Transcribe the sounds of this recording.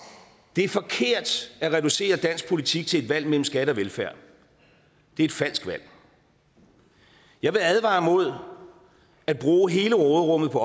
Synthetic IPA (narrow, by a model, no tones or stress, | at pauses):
d̥e̝æɐfɒ̽kʰe̝ɐ̰d̥æʁɛd̥ɾuse̝̰ːɐd̥æn̰sɡ̥̚pʰo̝lit͡sʰiɡ̥̚t͡sʰe̝ledʋæl̰mel̰m̩sɡ̥æɾ̥əɒ̽ʋelfæɐ̰ | d̥e̝e̝d̥fæl̰sɡ̥ʋæl̰ | jɑ̈ɪʋe̝æðˠʋɑ̈mo̝ð̞̰ˠ | æd̥̚b̥ʁuːɦe̝ːləʁɔːðˠʁɔ̽m̰ð̩ˠpʰɒ̽